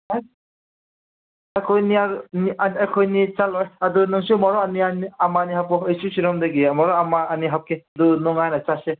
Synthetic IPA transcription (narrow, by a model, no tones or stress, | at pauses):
aj | ajkʰɔjniaɾnianajkʰɔjnit͡ʃalɔjadunɯŋsumɔɾɔanianiamanihap̚ɔejsusiɾɔmdaɡimɔɾɔamaːniɦap̚kʰead̪unɔŋajnat͡ʃase